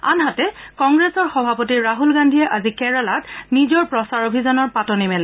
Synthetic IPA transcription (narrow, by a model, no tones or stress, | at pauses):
a̰nɦatɛkɔŋɡɹesɔɹxɔbʱapotiɹaɦulɡandʱijɛʔazikɛɹɔlatnizɔɹpɹɔsaɹobʱizɔnɔɹpatɔnimɛlɛ